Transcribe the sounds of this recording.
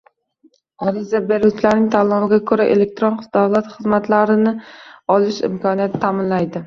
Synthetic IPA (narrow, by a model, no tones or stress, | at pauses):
ɒɾizabeɾut͡ʃʰlaɾnɪŋt̪ʰalɒmɪɡʲakʰɵɾaʔḛlek̚t̪ɾonχd̪awlat̪χɨzmat̪laɾɪnɪɒlɪʃɪ̰mkʰɒnijat̪ʰːamɪnlajd̪ɪ